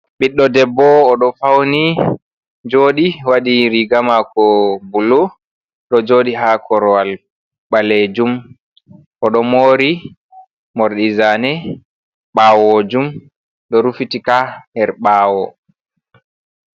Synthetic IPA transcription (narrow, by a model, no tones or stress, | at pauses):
ɓiɗːɔdɛbːɔːɗɔfawni | d͡ʒoːɗiwaɗiɾiɡamakɔbulo | ɗɔd͡ʒoːɗiɦakʰɔɾɔal | ɓaled͡ʒum | ʔɔɗɔmoːɾi | mɔɾɗizanɛ | ɓaːwod͡ʒum | ɗɔɾufitikanɛɾɓaːwɔ